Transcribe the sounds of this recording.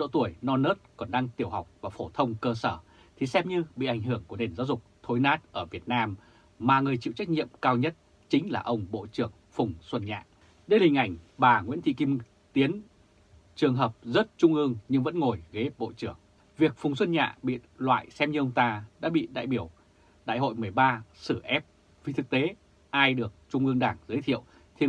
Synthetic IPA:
ɗo̰˧˨t̪u˧˩əjnɔ˧nəː˦˥t̚kɔ˨˩nɗaː˧ŋt̪i˧˩əwha˨˩wk͡p̚vaː˨˩fo˧˩t̪ʰə˧wŋ͡mkəː˧səː˧˩ | t̪ʰi˨˩sɛ˧mɲɨ˧ɓḭ˧˨ʔa˧˩ŋ̟ɦɨ˧˩əŋku˧˩əne˨˩nzaː˨˦wzʊ˨˩k͡p̚t̪ʰo˨˦jnaː˦˥t̚ʔəː˧˩vi˨˩ət̚naː˧mː | aː˨˩ŋɨ˨˩əjt͡ɕḭ˧˨wt͡ɕa˦˥k̚ɲḭ˧˨əmkaː˧wɲə˦˥t̚ | t͡ɕï˨˦ŋ̟la̰ː˨˩ʔə˧wŋ͡mɓo̰˧˨t͡ɕɨ˨˧˩əŋfʊ˨˩ŋ͡mswə˧nɲa̰ː˧˨ | ɗe˧jhï˨˩ŋ̟ʔa˧˩jŋ̟ɓaː˨˩ŋwḭ˧˥nt̪ʰḭ˧˨ki˧m | t̪i˨˦ən | t͡ɕɨ˨˩əŋɦəː˨˩p̚zə˦˥t̚t͡ɕʊ˧ŋ͡mʔɨ˧əŋɲɨ˧ŋvə̰˧˥nŋo˨˩jɣe˨˦ɓo̰˧˨t͡ɕɨ˧˩əŋ | vi˨˩ək̚fʊ˨˩ŋ͡mswə˧nɲa̰ː˧˨ɓḭ˧˨lwa̰ː˧˨jsɛ˧mɲɨ˧ʔə˧wŋ͡mt̪aː˧ɗa̰ː˧˥ɓḭ˧˨ɗa̰ː˧˨jɓi˧˩əw | ɗa̰ː˧˨jho̰˧˨jm˨˩əjɓaː˧sɨ˧˩ʔɛ˦˥p̚ | vi˨˦t̪ʰɨ˨˩k̚t̪e˨˦ | ʔaː˧jɗɨ˨˩ək̚t͡ɕʊ˧ŋ͡mʔɨ˧əŋɗaː˧˩ŋzəː˨˦jt̪ʰḭ˧˨əw | t̪ʰi˧

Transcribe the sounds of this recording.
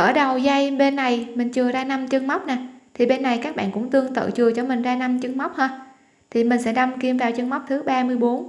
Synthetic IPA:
ʔəː˧˩ɗə˨˩wza˧jɓe˧nːa˨˩jmï˨˩ŋ̟t͡ɕɨ˨˩əzaː˧na˧mt͡ɕɨ˧ŋma˦˥wk͡p̚naː˨˩t̪ʰi˨˩ɓe˧nːa˨˩jkaː˦˥k̚ɓa̰ː˧˨nkʊ̰˧˥ŋ͡mt̪ɨ˧əŋt̪ɨ̰˧˨t͡ɕɨ˨˩ət͡ɕɔ˧mï˨˩ŋ̟zaː˧na˧mt͡ɕɨ˧əŋma˦˥k͡p̚həː˧ | t̪ʰi˨˩mï˨˩ŋ̟sɛ̰˧˥ɗa˧wŋ͡mki˧əmvaː˨˩wt͡ɕɨ˧ŋma˦˥wk͡p̚t̪ʰɨ˨˦ɓaː˧mɨ˧əjɓo˨˦n

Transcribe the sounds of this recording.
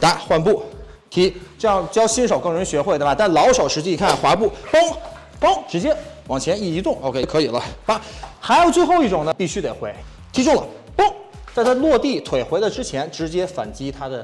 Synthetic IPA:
t̪a˧˥˩xwa˥˧npu˥˩ | t̪ʰi˧˥ʈ͡ʂɤ˥˧jɑ˥˩ŋt͡ɕjɑ˥ʊɕi˥nʂo˨˩ʊkɤ˥˩ɻŋi˧˥ɕɥɛ˧˥xwe˧t̪ba˧˩t̪a˥˩nlɑ˧˥ʊʂo˨˩ʊʂɻ̩˧˥t͡ɕi˥˩i˧˩kʰa˥˩xwa˧˥pu˥˩pɑ˥ŋ | pɤ˥ŋʈ͡ʂɻ̩˧˥t͡ɕjɛ˥wɑ˨˩ŋt͡ɕʰjɛ˧˥ni˥˩i˧˥t̪ʊ˥˩ŋo˧kʰe˥kʰɤ˧˥i˨˩lə˦ba˧˥˩xa˧˥ɪjo˨˩ʊt͡swe˥˧ɪxo˥˧ʊi˥˩ʈ͡ʂʊ˨˩ŋnə˦t̪i˥˩t͡ɕʰy˥d̪e˨˩xwe˧˥ɪ | t̪ʰi˧˥ʈ͡ʂʊ˥˩ŋlə̰˨˩ | po˥ŋ | t͡sa˥˩ɪt̪ʰa˥˧lwɔ˥˧t̪i˥˩t̪ʰwe˨˩ɪxwe˧˥ɪlə˧ʈ͡ʂɻ̩˥t͡ɕʰjɛ˧˥nʈ͡ʂɻ̩˧˥t͡ɕjɛ˥fa̰˨˩nt͡ɕi˥t̪ʰa˥d̪ə˨

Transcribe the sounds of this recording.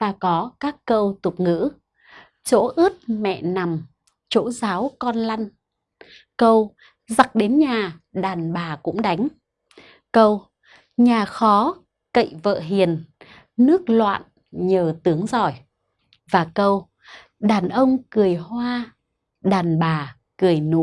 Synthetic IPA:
vaː˨˩kɔ˨˦kaː˦˥kːə˧wt̪ʊ˨˩k͡p̚ŋɨ̰˧˥ | t͡ɕo̰˧˥ʔɨ˦˥ət̚mɛ̰˧˨na˨˩m | t͡ɕo̰˧˥zaː˨˦wkɔ˧nla˧jŋ̟ | kə˧w | za˨˩k̚ɗe˨˦nɲaː˨˩ɗaː˨˩nɓaː˨˩kʊ̰˧˥ŋ͡mɗa˨˦jŋ̟ | kə˧w | ɲaː˨˩xɔ˨˦ | kə̰˧˨jvə̰ː˧˨ɦi˨˩ənː | ɨ˦˥ək̚lwa̰ː˧˨n | ɲəː˨˩t̪ɨ˨˦əŋzɔ˨˩j | vaː˨˩kə˧w | ɗaː˨˩nʔə˧wŋ͡mkɨ˨˩əjhwaː˧ | ɗaː˨˩nɓaː˨˩ | kɨ˨˩əjnṵ˧˥

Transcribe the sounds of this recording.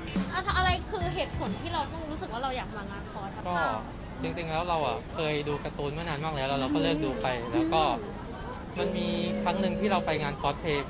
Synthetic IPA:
ʔʰʔa˧ɾa˧jkʰɯː˧ɦeː˨˩t̪̚pʰo˩˦nt̪ʰiː˥˩ɾa˧wt̪ɔ˥˩ŋɾuː˦˥sɯ˨˩k̚waː˥˩ɾa˧wjaː˨˩k̚maː˧ŋaː˧nkʰɔː˦˥t̪̚a˩kɔː˥˩ | t͡ɕi˧ŋt͡ɕi˧ŋlɛː˦˥wɾa˧wʔa̰˨˩kʰɤː˧jduː˧kɾa˧t̪uː˧nmɯ˥˩ɐnaː˧nmaː˥˩k̚lɛː˦˥wɾaː˧˦˥wɾa˧wkɔː˥˩lɤː˥˩ŋduː˧pa˧jlɛː˦˥wkɔː˥˩ | ma˧nmiː˧kʰɾa˦˥ŋnɯ˨˩ŋt̪ʰiː˥˩ɾa˧wpa˧jŋaː˧nkʰɔː˦˥t̪ʰːeː˧˥

